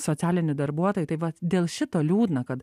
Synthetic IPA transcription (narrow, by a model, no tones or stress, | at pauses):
soːt͡sʲæːlʲɪnʲɪd̪ɐɾbuɔt̪oːjɪt̪ɐɪʋɐd̪ʲeːlˠʃʲɪt̪oːlʲuːd̪nɐkɐt̪